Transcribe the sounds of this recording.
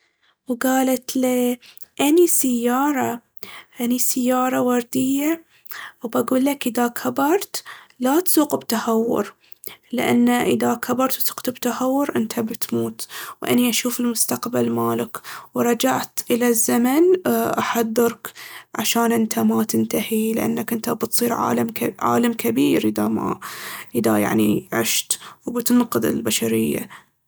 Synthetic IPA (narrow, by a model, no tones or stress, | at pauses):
wɡaːlat̪le | ʔanisajːɑːɾˤɑ | ʔanisɪjːɑːɾˤɑwɑɾˤd̪ɪjːa | wbaɡuːlːakʔɪðakʰabɑɾˤt̪lat̪suːqbt̪ahawːʊ̰ɾ | lɪʔa̰nːaʔɪðakʰabɑɾˤt̪su̥qt̪bt̪ahawːʊɾʔɪnt̪ʰabɪt̪muːt̪wʔa̰niʔaʃuːfɪlmʊst̪aqbalmaːlɪkwɾˤɑd͡ʒaʕt̪ʔɪlazːamanʔaħaðːɨɾkʕaʃaːnʔɪnt̪ʰamat̪ɪnt̪ahilɪʔa̰nːakʔɪnt̪abɪt̪sˤiːɾʕa̰ːlamʕa̰ːlamkabiːɾʔɪðama̰ʔɪðaja̰ʕniʕɪʃt̪wbɪt̪ɪnqɨðɪ̰lbaʃaɾɪjːa̰